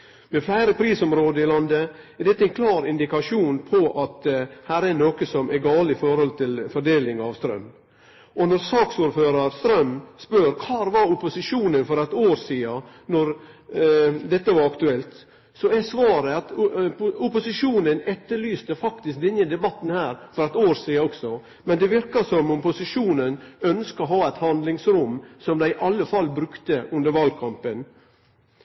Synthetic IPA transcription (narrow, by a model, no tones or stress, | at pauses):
mɛflæɪɾəpʰɾiːsɔmɾoːd̪əɪlɑnd̪ə | ɛɾd̪ɛt̪ːəɛɪnkʰlɑːɾɪnd̪ɪkɑʂuːnpʰɔʔɑt̪hæːɾænoːkəsɔmɛɡɑːlɪfɔɾhɔlt̪ʰɪlfɔɖeːlɪŋɑʋst̪ɾœ̰m | ʔɔnɔɾsɑːksuːɾføːɾɑɾst̪ɾœmspøɾkʰɑːɾʋɑɾʊpʊsɪʂuːnənfɔɾɛt̪oːɾsiːɑ | nɔɾ | d̪ɛt̪ːəʋɑɾɑkt̪ʉɛlt̪ | sɔɛsʋɑːɾəɑt̪ | ʊpʊsɪʂuːnənɛt̪ːəɭyːst̪əfɑkt̪ɪsk̚d̪ɛnːəd̪ɛbɑt̪ːn̩hæːɾfɔɾɛt̪oːɾsiːɑɔksɔ | mɛnd̪ɛʋɪɾkɑsɔmʊpʊsɪʂuːnənœnskəɔɦɑːæɪt̪hɑnd̪lɪŋsɾʊmsɔmd̪æɪɪʔɑlːəfɑlːbɾʉkt̪əʔʉnd̪əɾʋɑlkʰɑmpən